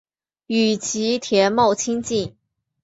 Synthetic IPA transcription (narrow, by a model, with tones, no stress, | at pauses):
y˨˩t͡ɕʰi˧˥t̪ʰjɛ˧˥nmo˥˩ʊt͡ɕʰi˥ŋt͡ɕi˥˩n